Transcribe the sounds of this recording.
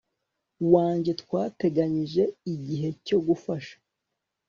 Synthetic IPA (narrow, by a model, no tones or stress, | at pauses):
waːɲɟe̞twaːte̞ɡaɲiʒe̞iɟiɦe̞co̞ɡufaʃḁ